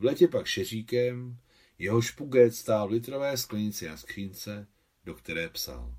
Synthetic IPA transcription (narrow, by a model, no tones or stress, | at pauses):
vlɛcɛpakʃɛr̝iːkɛm | jɛɦo̞ʃpuɡɛt̪st̪aːlvlɪt̪ɾovɛːsklɛɲɪt͡sɪnaskr̝̥iːnt͡sɛ | do̞kt̪ɛɾɛːpsa̰l